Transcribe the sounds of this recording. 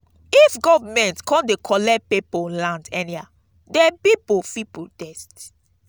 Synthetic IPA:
ifɡɔvmɛ̃ntkʰɔ̃ndekʰɔlɛpepolãndɛnia | dɛpipofipodɛst

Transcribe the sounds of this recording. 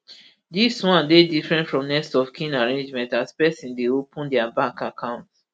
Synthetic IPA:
diswãndedifɹɛ̃ntfɹɔ̃mnɛstɔfkʰĩnaɹẽnd͡ʒmɛ̃ntaspɛsĩndeopʰə̃ndɛabakakʰãʊ̃nt

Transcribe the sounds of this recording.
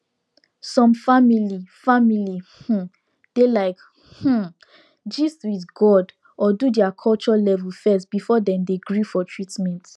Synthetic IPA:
sɔ̃mfamilifamilih̩ | d̥elaɪk | h̩ | d͡ʒistwiθɡɔd | ɔdudɛakʰɔlt͡ʃɔlɛvɛlfɛstb̥ifɔdɛ̃mdeɡɹifɔtʰɹitmɛ̃nt

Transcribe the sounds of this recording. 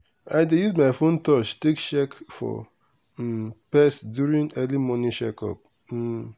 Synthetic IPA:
ajdejuzmajfõntɔt͡ʃtekʃɛkfɔ̰ | pɛsdjuɾĩŋɛlimɔ̃nĩʃɛkɔ̰p̩̚

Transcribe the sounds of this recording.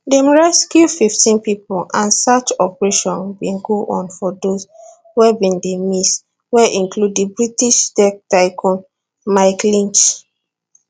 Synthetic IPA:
demɹɛskjufiftĩnpipoʔãnsat͡ʃɔpɹeʃɔ̃nbĩnɡoʔɔ̰̃nfɔdos | wɛbĩndemis | wɛʔĩŋkʰludibɹitiʃdɛk̚taɪkʰɔ̃n | maɪklĩnt͡ʃ

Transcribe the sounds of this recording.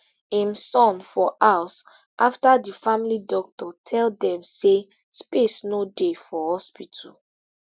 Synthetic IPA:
ĩmsɔ̃nfɔʔaʊs | ʔaftadifamilidɔk̚tɔtʰɛldɛ̃mse | spesnodefɔhɔspitʰɔ

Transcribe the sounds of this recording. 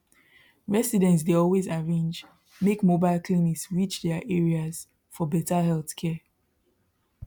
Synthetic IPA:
ɹɛsidɛ̃ntsdeɔlˠwezaɹẽnd͡ʒ | mekmobaɪlˠkʰliniksɹit͡ʃdɛʔɛɹiaz̥ | fɔbɛtahɛlˠθkʰɛ

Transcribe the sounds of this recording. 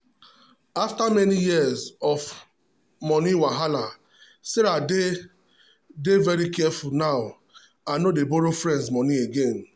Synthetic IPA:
aftamɛnijiəzɔf | mɔniwaɦala | seɾade | devɛɾikɛfulnaʊ | anodeboɾofɹɛ̃ndsmɔnieɡẽn

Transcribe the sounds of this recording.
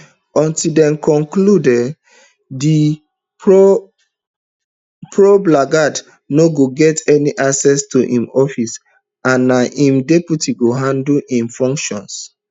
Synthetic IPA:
ɔ̃ntidɛ̃nkʰɔ̃ŋkludɛ | di | po | pɹoblaɡad | noɡoɡɛtɛniʔaksɛstuʔḭ̃mɔfis | ãnːaʔĩmdeputiɡoɦãnduĩmfɔ̃ŋkʃɔ̃ns

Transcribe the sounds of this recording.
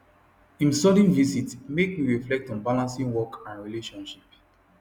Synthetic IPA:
ĩmsɔdĩnvisitmek̚miɹiflɛk̚tɔ̃nbalãnsĩŋwɔkʰãnɹileʃɔ̃nʃip

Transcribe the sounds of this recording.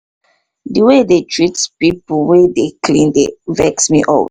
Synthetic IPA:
diwedetʰɹitpipuwedekʰlĩndevɛksmiʔɔ̰w

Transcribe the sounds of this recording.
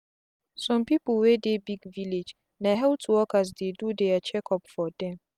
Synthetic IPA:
sɔ̃mpipəlwɛdebiɡviled͡ʒ | naɦɛl̚tʰuwɔkas̬dedudeat͡ʃɛkʰɔpfɔdɛ̃m

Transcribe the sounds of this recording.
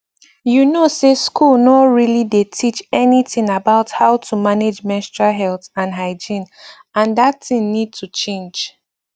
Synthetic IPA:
junoseskʰulˠnɔtɹilidetʰit͡ʃɛnitɪ̃ŋabaʊthaʊtʰumaned͡ʒmɛ̃stɹaɦɛlθãnɦaɪd͡ʒĩn | ãndatθɪ̃ŋnid̚tʰut͡ʃẽnd͡ʒ

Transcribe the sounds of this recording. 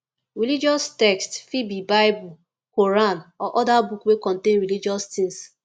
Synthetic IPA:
ɹilid͡ʒɔstɛkstfibibaɪbu | koɾanɔʔɔdabukwekɔ̃ntẽnɹilid͡ʒɔst̪ĩŋs

